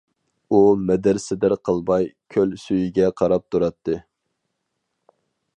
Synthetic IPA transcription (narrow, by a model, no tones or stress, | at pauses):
umɛd̪ɪɾsɪd̪ɪɾqʰəlˠbɑjkʲʰølsyjiɡʲɛqʰɑɾɑp̚t̪ʰuɾɑt̪ʰːɨ